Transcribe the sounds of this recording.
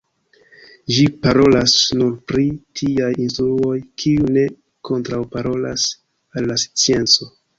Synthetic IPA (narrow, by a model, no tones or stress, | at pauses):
ʒipaɾo̞lasnuɾpɾitʰiajinstɾuo̞jkʰiune̞ | kʰo̞ntɾawpaɾo̞la̰s | alːasi̥t͡sie̞nt͡so̞